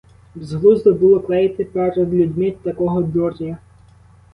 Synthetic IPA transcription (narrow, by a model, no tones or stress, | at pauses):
bzɦlˠuzd̪ɔbʊlˠɔklˠɛjt̪ɪpɛɾed̪lʲudʲmɪt̪ɐkɔɦɔd̪ɔrnʲɐ